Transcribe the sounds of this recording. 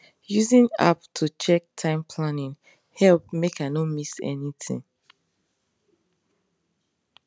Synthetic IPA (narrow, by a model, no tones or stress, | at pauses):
juzĩna̰ptʰut͡ʃɛk̚tʰãɪ̃mpʰlanĩn | hɛlp̚mekanõmisɛ̰nitʰḭ̃ŋ